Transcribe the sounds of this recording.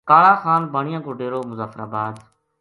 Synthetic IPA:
kaːɭaːxaːnbaːɳ̃ɪjãːkoːɖeːɾoːmʊzaːfəɾa̰ːbaːd̪

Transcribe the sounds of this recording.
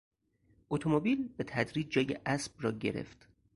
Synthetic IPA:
ʔot̪ʰomobiːlbe̞t̪ʰæd̪ɾiːd͡ʒd͡ʒɒːjeʔæsb̥̚rɒːɟe̞̰ɾe̞̰ft̪

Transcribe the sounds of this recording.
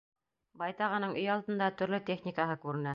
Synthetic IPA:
bɑjt̪ɑʁɤ̆nɤɴʔɵjɑlˠt̪ɤ̆nd̪ɑt̪ɵ̆ɾlɵt̪ʲeχnʲikaɦɤkʉɾɘ̆næ

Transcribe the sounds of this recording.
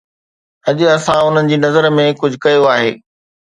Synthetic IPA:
ɐd͡ʑʊ̆ɐsãʊn̤ənɪ̆d͡ʑiːnɐzəɾmẽkʊd͡ʑʱʊkɐjoaːɦeː

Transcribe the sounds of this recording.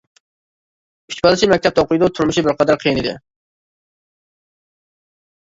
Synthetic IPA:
kʰy̥t͡ʃʲbɑlˠɨt͡ʃʰimɛk̚ʲt̪ʰɛp̪̚ɛoqʊjd̪ut̪ʰuɾmuʃibɪɾqʰɑd̪ɑɾqʰijinɨd̪ɪ̰

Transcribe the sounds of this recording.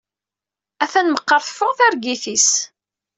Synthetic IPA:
æθænməqːəɾˤθfʊʁθæɾɡiθis

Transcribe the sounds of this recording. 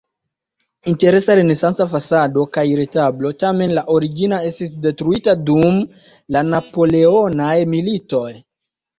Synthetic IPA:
inteɾesaɾenesansafasadokajɾetablotamenlaʔoɾiɡinaestisdetɾuitadum | lanapo̞le̞onajmilito̞j

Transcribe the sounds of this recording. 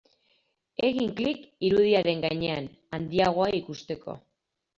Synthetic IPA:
e̞ɣiŋklikiɾuð̞iaɾe̞ŋɡajɲe̞an | and̪iaɣ̞o̞aikust̪e̞ko̞̰

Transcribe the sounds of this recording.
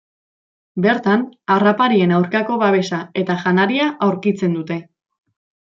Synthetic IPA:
be̞ɾt̪anarapaɾie̞nawɾkako̞βaβ̞e̞sae̞t̪aʝanaɾiaʔawɾkit͡se̞nd̪ut̪e̞

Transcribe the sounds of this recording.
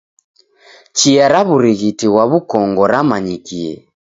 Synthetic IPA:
t͡ʃiaɾaβuɾiɣitiɣwaβukɔŋɡɔɾamaɲikiɛ̰

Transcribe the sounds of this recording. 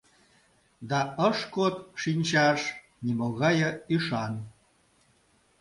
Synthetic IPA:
d̪ɑəʃkot̪ʃinʲt͡ɕɑʃ | nimoɣɑjəyʃɑn

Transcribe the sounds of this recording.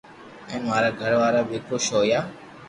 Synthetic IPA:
ɛ̃ːnʋaːɾaːɡʱəɾʋaːɾaːbeːkɾoːʃoːjaː

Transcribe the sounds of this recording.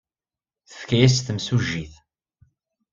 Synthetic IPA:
θə̥fkæjæs̬θəmsuʒːiθ

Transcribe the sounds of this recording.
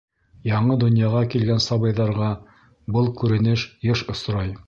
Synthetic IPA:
jɑɴɤd̪ŏnjɑʁɑkilɡænsɑβɤ̆jðɑɾʁɑ | bɤlˠkʉɾɘ̆nɘʃjɤʃŏsɾɑj

